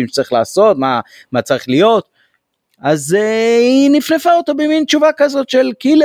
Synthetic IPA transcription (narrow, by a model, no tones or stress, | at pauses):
imʃt͡saʁiχla̰ːso̞t̪ma | mat͡saʁiχlijo̞t̪ | azeinifnefaot̪obemint͡ʃuvakazo̞t̪ʃelkil